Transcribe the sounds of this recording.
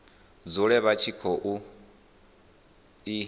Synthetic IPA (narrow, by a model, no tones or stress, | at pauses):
d͡zuɺɛβat͡ʃʰikʰɔʔu | i